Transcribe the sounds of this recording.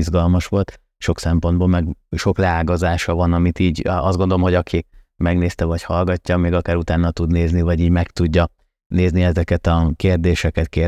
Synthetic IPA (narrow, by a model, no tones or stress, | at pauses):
izɡɒlmɒʃʋo̞lt̪ | ʃo̞ksɛmpo̞nd̪boːlmɛɡʃo̞klɛaːɡɒzaːʃɒvɒnɒmit̪iːɟɒzdɡo̞nd̪olomɦo̞ɟɒkʰi | mɛɡneːst̪ɛvɒchɒlɡɒcːɒmeːɡɒkaːɾut̪aːnːɒt̪ud̪neːznivɒɟiːɟmɛkt̪uɟːɒ | neːzniɛzɛkɛt̪ɒkeːrd̪eːʃɛkɛt̪keː